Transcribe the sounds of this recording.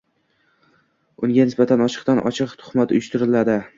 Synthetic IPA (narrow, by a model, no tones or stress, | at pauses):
ʊŋɡʲanɪsbat̪ʰanɒt͡ʃʰɨ̥qt̪anʔɒ̰t͡ʃʰɨqt̪ʰʊ̥χmat̪ʊjʊʃt̪ɪɾɪlad̪ɪ